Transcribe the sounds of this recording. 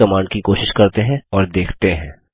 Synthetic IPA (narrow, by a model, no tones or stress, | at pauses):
ɐmãːɳɖkikoːʃɪʃkɐɾt̪eɦɛ̃ɔːɾd̪eːkʰt̪eɦɛ̃ː